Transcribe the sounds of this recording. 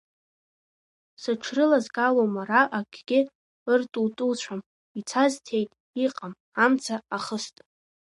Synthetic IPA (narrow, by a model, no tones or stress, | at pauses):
saʈ͡ʂʰrɨlazɡalomaɾaʔaɡʲɡʲɪ | ɨrtʼultʼult͡ɕʷʰam | it͡sʰaztʰe̞jtʼ | iqʼam | amt͡sʰaaχəstʼ